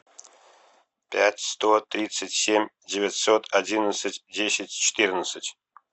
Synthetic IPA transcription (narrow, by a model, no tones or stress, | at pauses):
pʲætʲst̪ot̪ɾʲit̪sətʲsʲemʲ | dʲɪvʲɪt̪ʲsot̪adʲinət̪sətʲdʲesʲɪtʲt͡ɕʰɪ̥t̪ɨrnət̪sətʲ